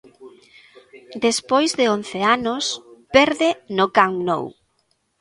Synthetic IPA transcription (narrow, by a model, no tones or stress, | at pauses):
d̪espojzðeonθeanʊspɛɾðenʊkaŋno̰w